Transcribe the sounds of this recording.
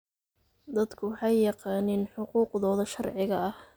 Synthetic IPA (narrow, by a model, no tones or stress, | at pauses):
d̪ɐd̪kʰʊwɑħɑjːɑqɑːnɪnħʊquːqðɔːðɐʃɐrʕɪɣɐɐh